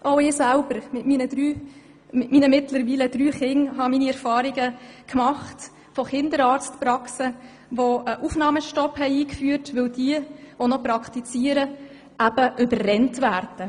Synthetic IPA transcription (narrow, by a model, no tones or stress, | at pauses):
ʔoʊɪːsælbəɾmɪtmiːnədɾyː | mɪtmiːnəmɪtləɾʋiːləd̥ɾyːχɪŋɦɑmiːniɛɾfɑːɾiɡəkmɑχt | fɔχɪndəɾɑːɾstpɾɑksə | ʋoəʔufnɑːməʃtɔphɛɪiːkfyːɾtʋɪwd̥iəvonɔpɾɑkʰtit͡siːəɾə | ʔæb̥əʔʏbərrɛntʋæːɾd̥ə